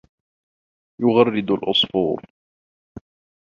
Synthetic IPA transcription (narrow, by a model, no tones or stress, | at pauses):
jʊɣɑrˤːɪd̪alʔɑsˤfuːɾ